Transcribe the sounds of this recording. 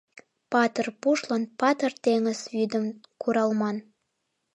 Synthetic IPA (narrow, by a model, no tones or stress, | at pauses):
pɑt̪ərpuʃlənpɑt̪ərt̪eŋəsβyd̪ə̆mkuɾɑlmɑn